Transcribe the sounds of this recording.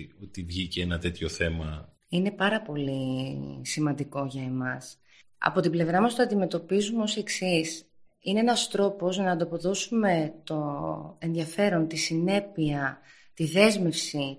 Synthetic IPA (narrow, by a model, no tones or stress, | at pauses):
ot̪ivʝiceenɐt̪e̞t̪ço̞θe̞mɐ | ine̞pɐɾɐpo̞lisimɐnd̪iko̞ʝɐemɐs | ɐ̰po̞t̪ible̞vɾɐmɐst̪oɐnd̪ime̞t̪o̞pizumeo̞sie̞ksis | ineenɐst̪ɾo̞po̞znɐːnd̪opo̞ðo̞sume̞t̪o̞e̞nðʝɐfe̞ɾo̞nt̪isine̞piɐ | t̪iðe̞zme̞fsi